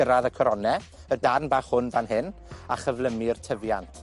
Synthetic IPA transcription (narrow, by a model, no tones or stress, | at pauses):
əɾaðəkʰɔɾɔnɛ | ədarnbaːχhʊnðanɦɪna̰χəvlˠəmɪrtʰəvjantʰ